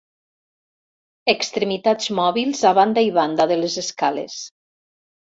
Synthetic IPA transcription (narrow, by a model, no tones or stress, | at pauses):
ekst̪ɾemit̪ad͡zmɔβilˠzaβand̪ajβand̪aðelezeskalḛs